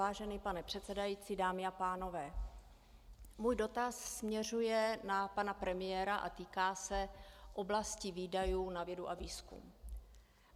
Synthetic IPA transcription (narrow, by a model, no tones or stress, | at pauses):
aːʒɛniːpanɛpr̝̥ɛt̪t͡sɛdajiːt͡sidaːmɪapaːno̞vɛː | muːjdo̞t̪asːmɲɛr̝ujɛnapanapɾɛmɪjɛːɾaʔa̰t̪iːkaːsɛʔo̞blasciviːdajuːnavjɛduʔaviːskṵm